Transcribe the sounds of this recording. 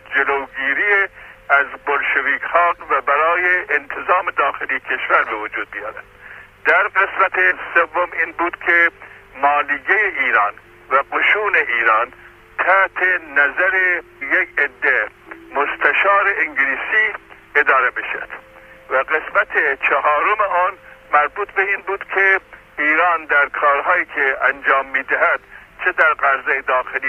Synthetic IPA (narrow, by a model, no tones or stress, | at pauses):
d͡ʒeloːɡiːɾijeæzbolʃeviːkʰhɑːɡvæbæɾɑːjeʔːnt̪ʰezɑːmed̪ɒːxelijekʲʰeʃvæɾbevod͡ʒuːd̪̚bijɑːɾæ̰d̪̥d̪æɾɡesmæt̪ʰezsevːomiːnbuːd̪kʰemɑːliːɡejeiːɾɑːn | væqoʃuːneʔiːɾɑːn | t̪ʰæht̪ʰenæzæɾe | jeked̪ːemost̪ʰæʃɑːɾeiŋɡliːsiː | ed̪ɒːɾebeʃæd̪̥ | væɡesmæt̪ʰet͡ʃʰeɦɒːɾomeʔɑːnmæɾbuːt̪ʰbeiːnbuːd̪̥kʰe | iːɾɑːnd̪æɾkʰɒːɾɦɑːiːkʰeænd͡ʒɒːmːiːd̪æɦæd̪̥t͡ʃʰed̪æɾɢæɾzejed̪ɒːxeliː